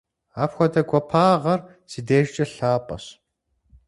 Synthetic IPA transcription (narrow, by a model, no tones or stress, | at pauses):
aːpxʷɔdɐɡʷɔpʰaːʁɐr | siːdeːʒt͡ʃʼɐɬaːpʼɐ̰ɕ